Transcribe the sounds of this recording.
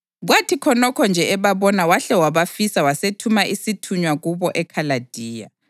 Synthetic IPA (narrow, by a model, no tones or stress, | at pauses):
ɣwatʰikʰɔnɔkʰɔnd͡ʒʱɛɛβaβɔnawaɬɛwaβafisawasetʰumaʔisitʰuɲwaɣuβɔʔɛkʰalad̥ʱiːja̰